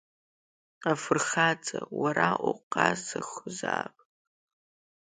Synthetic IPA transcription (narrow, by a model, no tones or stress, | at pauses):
afɨrxat͡sʼawaɾaʔuqʼazɨxzaːpʼ